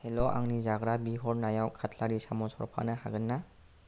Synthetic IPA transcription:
helɔʔa̰ŋnizaɡɾabiɦɔɾnajawkʰatʰlaɾisamɔsɔɾpʰa̰nɐhaɡɯnːa

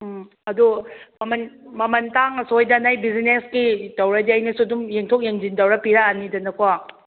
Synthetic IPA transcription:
ɐdumɐmɐnmɐmɐntaŋɐsojdɐnajbizineskitɐwɾɐd͡ʒiajnɐsudumjeŋtʰok̚jeŋd͡ʒindɐwɾɐpiɾaːnidɐnɐkʰwa

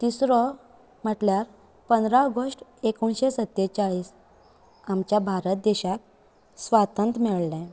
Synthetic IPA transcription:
t̪isɾɔ | m̤əʈljaɾ | pənd̪ɾaəɡəsʈekuɳɕesət̪ːet͡saɭiːs | amt͡ɕjabʱaɾət̪̚d̪eɕak̪̚ | sʋat̪ə̃nt̪mɛɭlɛ̃

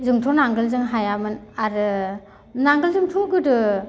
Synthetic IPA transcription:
zɯŋtʰɔnaŋɡɯlzɯŋɦajamɯnaɾɯ | naŋɡɯlzɯŋtʰɔɡɯdɯ

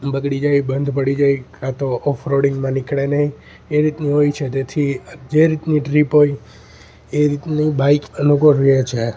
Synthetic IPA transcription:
bəɡɽid͡ʒajbənd̪ʱpəɽid͡ʒajkãt̪oʔɔfʰɾoɽiŋɡmãnikʰɽenəɦĩ | eɾit̪niɦojt͡ʃʰet̪et̪ʰid͡ʒeɾit̪niʈɾipɦoj | eɾit̪nibaikənukoɾet͡ʃʰe

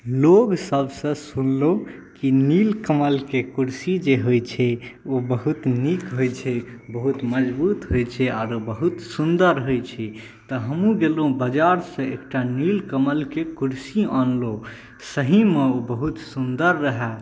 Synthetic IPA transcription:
loɡsəbsə̃sunlokinilkəməlkekuɾsid͡ʒeɦojt͡ʃʰɛobəɦut̪nikɦojt͡ʃʰɛbəɦut̪məd͡ʒbut̪ɦojt͡ʃʰɛaɾobəɦut̪sund̪əɾɦojt͡ʃʰɛ | t̪ɔɦəmũɡelɦũbəd͡ʒaɾsə̃ḛkʈanilkəməlkekuɾsiɔnlo | səɦimeobəɦut̪sund̪əɾːəɦɛ

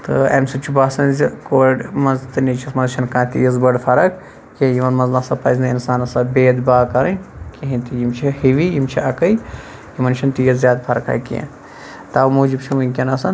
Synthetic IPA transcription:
t̪ɨ̰ɐ̰msɐt͡ʃʰibaːsɐnzikoːɖmɐnzt̪ɨnit͡ʃʰismɐnzʃʰɐnkãːt̪ḭjɐzbɐɖfʰɐɾɐk | kʲejimɐnmɐnznɐsɐpɐzʲnɐinsaːnɐsɐbeːd̪baːkɐɾɐkʲiɦĩnt̪ijimt͡ʃʰihiʋijimt͡ʃʰiʔɐkɐj | jimɐnʃʰɐnt̪ijɐzjaːd̪fʰɐɾɐkɐ̰ːjkʲiḛn | t̪aːmuːd͡ʒibt͡ʃʰimunʲkʲɐnɐsɐn

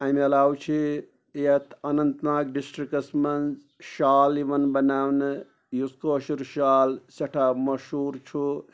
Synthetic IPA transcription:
aimɐlaːwt͡ʃʰi | ɐt̪ʰɐnɐnt̪naːk̚ɖisʈɾikɐsmɐnz | ʃaːliʋɐnbɐnaːwnɨ | juskoʃuɾʃaːlsɐʈʰaːmɐʃuːɾt͡ʃʰu

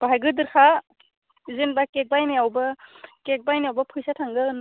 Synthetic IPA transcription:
b̥aɦajɡɯdɯɾkʰa | izinbakek̚bajnajawbɯkek̚bajnajawbɐpʰɯjsatʰaŋɡɯn

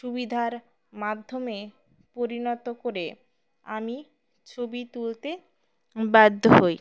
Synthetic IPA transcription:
ʃubid̪ʱaɾ | mad̪ʱːome | poɾinɔt̪okoɾe | a̰mi | t͡ɕʰobit̪ult̪e | bad̪ʱːoɦoj

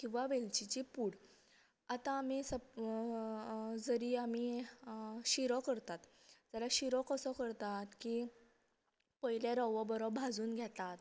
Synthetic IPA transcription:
kĩw̃ʋaʋelt͡ɕit͡ɕipuːɽ | at̪ãːmisə | d͡zəɾiːami | ɕiɾɔkəɾt̪at̪ | d͡zalaɕiɾɔkəsɔkəɾt̪at̪ki | pəɦiljaɾɔʋɔbəɾɔbʱad͡zuːnɡʱjat̪at̪

